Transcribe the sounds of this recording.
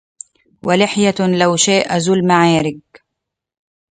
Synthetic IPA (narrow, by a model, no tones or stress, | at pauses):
walɪħjalawʃaːʔazʊlmaʕaːɾɪɡ̚